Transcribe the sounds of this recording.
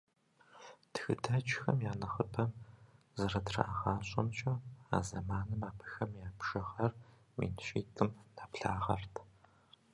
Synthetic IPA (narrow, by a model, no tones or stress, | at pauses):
txɨ̰dʰɐt͡ʃʼxɐ̰mjaːnɐχəpʰɐm | zɐrɐdrɐ̰ʔaʁɑːɕʼɐmt͡ʃʼɐa̰ːzɐmaːnɨmaːpʰɨ̥xɐmjaːpʰʃɐʁɐr | mḭnɕiːtʰʼɨmnapɬaːʁɐ̰rtʰ